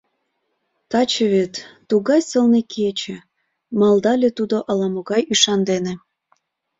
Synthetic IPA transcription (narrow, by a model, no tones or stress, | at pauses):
t̪ɑt͡ɕeβet̪ː | uɣɑjsəlnekʰet͡ɕĕ | mɑlˠd̪ɑlʲet̪ud̪oʔɑlɑmoɣɑjyʃɑnd̪enĕ